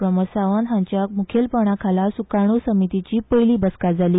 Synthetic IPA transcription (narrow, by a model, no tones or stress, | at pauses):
ɾəməsaʋənɦãɲt͡ɕjamukʰelpəɽ̃akʰalasukaɽ̃osəmit̪it͡ɕiːpəjliːbəskad͡zʱaliː